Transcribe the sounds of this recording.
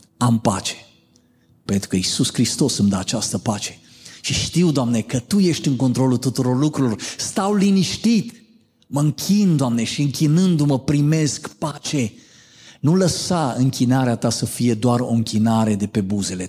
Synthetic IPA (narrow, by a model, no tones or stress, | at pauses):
ampat͡ʃe̥ | pe̞nt̪ɾukəisuskɾist̪o̞sɨmd̪aːt͡ʃast̪əpat͡ʃe̞̥ | ʃiʃt̪iwd̪oamne̞kət̪uje̞ʃt̪ʲɨŋkont̪ɾo̞lut̪ut̪uɾo̞rlukɾulo̞rst̪awliniʃt̪it̪ | məɨŋkʲʰind̪oamne̞ʃiɨŋkʲinɨnd̪uməpɾime̞skpat͡ʃe̞ | nuləsaɨŋkʲinaɾeat̪asəfije̞d̪oaɾo̞̰ɨŋkʲinaɾe̞d̪e̞pe̞buze̞le